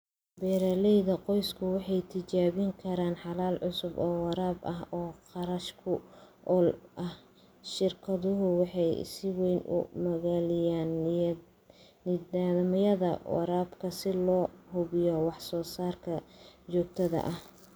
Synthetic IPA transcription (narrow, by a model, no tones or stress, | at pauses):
bɛːɾalɛjðɐqɔjskʰʊwɑħɑjt̪ʰɪt͡ʃaːβɪŋkʰɐɾaːnħɑlaːlʕʊsʊbɔːwɑɾaːbɐɦɔːqɑɾɐʃkʰʊ | ɔlʔɐh | ʃɪrkʰɐðʊɦʊwɑħɑjsɪwɛjnʊ̰mɐɣaːlɪjaːn | ɪaːðɐmɐjɐðɐ̰wɑ̰ɾaːbkʰɐsɪlɔːhʊβɪjɔwɑħsɔːsaːrkʰɐt͡ʃɔːɡ̚t̪ʰɐðɐ̰ʔɐh